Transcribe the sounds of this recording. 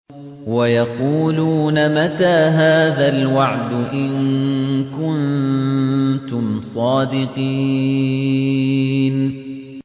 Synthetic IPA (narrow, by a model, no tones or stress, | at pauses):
wajɑquːluːnamat̪aːɦaːðalwaʕd̪ʊʔɪŋkʊn | t̪ʊmsˤɑːd̪ɪqiː | n